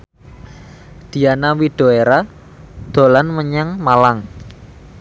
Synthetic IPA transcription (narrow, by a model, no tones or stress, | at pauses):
d̪̥i̤anawiɖ̪̥o̤eɾa | d̪̥o̤lanməɲaŋmalaŋ